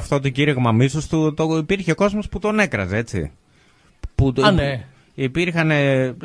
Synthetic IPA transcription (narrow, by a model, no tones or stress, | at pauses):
ft̪ot̪oɟiɾiɣmɐmisost̪ut̪oipiɾçeoko̞zmo̞sput̪o̞ne̞kɾɐzeet͡sḭ | pu | ipiɾxɐne̞